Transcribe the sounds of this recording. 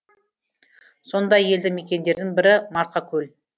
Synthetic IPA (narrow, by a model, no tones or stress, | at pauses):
so̞nd̪ɑje̞ld̪ɪme̞kʲe̞nd̪e̞ɾd̪ɪŋbɪɾɪmɑɾqɑkʲʰɵl